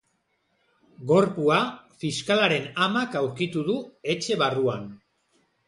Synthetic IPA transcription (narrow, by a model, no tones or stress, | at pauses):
ɡo̞ɾpuafiskalaɾe̞namakawɾkit̪uðue̞t͡ʃe̞βaruan